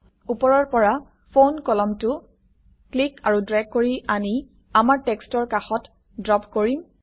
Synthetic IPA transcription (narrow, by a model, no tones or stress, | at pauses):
upɔɹɔɹpɔɹa | pʰonkɔlɔmtʊ | klikaɹudɹɛɡ̚kːoɹiʔani | amaɹtekstɔɹkaxɔt | dɹɔpkoɹim